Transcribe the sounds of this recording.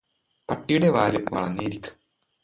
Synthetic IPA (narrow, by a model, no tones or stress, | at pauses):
pɐʈːijuɽe̞ʋaːɾɨmʋɐ̰ɭɐ̰nːijiɾikʲːu̥